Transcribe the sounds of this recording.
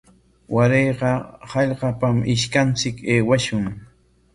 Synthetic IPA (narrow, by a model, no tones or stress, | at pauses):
waɾejɢɑhɑʎɢɑpamɪʃkant͡sɪkeːwaʃʊŋ